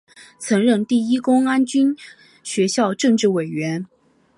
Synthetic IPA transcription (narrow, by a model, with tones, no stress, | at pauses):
t͡sʰɤ˧˥ŋɻɤ˥˧ŋt̪i˥˩i˥kʊ˥ŋa˥nt͡ɕy˥n | ɕɥɛ˧˥ɕjɑ˥˧ʊʈ͡ʂɤ˥˧ŋʈ͡ʂɻ̩˥˩we˨˩ɪɥɛ˧˥n